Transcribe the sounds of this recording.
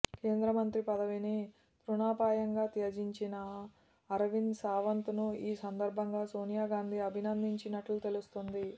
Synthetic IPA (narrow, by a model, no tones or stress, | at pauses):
ke̞ːnd̪ɾɐmɐnt̪ɾipɐd̪ɐʋini | p̪ɾunaːpaːjɐŋɡaːt̪eɐd͡ʒiɲt͡ʃinɐː | ɾɐʋinsaːʋɐnt̪unuiːsɐnd̪ɐɾbʱɐŋɡaːso̞ːnijaːɡaːnd̪iɐbʱinɐnd̪iɲt͡ʃinɐʈlut̪e̞lust̪ond̪i